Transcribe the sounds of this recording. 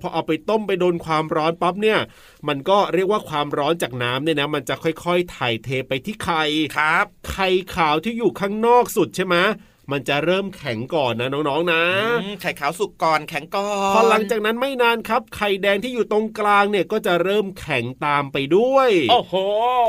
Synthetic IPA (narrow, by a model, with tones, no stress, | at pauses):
pʰɔ˧ʔa˨˩wpa˧jt̪o˥˩mpa˧jdoː˧nkʰwaː˧mɾɔː˦˥npa˦˥p̬̚ni˥˩ɐ | ma˧nkɔː˥˩ɾi˥˩k̚waː˥˩kʰwaː˧mɾɔː˦˥nt͡ɕaː˨˩k̚naː˦˥mniː˥˩nɛ˦˥ma˧nt͡ɕa˨˩kʰɔ˥˩jkʰɔ˥˩jt̪ʰaː˨˩jt̪ʰeː˧pa˧jt̪ʰiː˥˩kʰa˧jkʰa˦p̚kʰa˧jkʰaː˩˦wt̪ʰiː˥˩juː˨˩kʰaː˥˩ŋnɔː˥˩k̚su˨˩t̪̚t͡ɕʰe˥˩jmɛ˦˥ | ma˧nt͡ɕa˨˩ɾɤː˥˩mkʰɛ˩˦ŋkɔː˨˩nːa˦˥nɔː˦˥ŋnɔː˦˥ŋna˦˥˧kʰa˧˩jkʰaː˨˩˦wsu˨˩kːɔː˨˩nkʰɛ˩˦ŋkɔː˨˩pʰɔ˦˥la˩˦ŋt͡ɕaː˨˩k̚na˦˥nma˥˩jnaː˧nkʰa˦˥p̚kʰa˨˧˩jdɛː˧ŋt̪ʰiː˥˩juː˨˩t̪o˧ŋklaː˧ŋni˥˩ɐkɔː˥˩t͡ɕa˨˩ɾɤː˥˩mkʰɛ˩˦ŋt̪aː˧mpa˧jdu˥˩əjʔoː˧˩hoː˨˩˦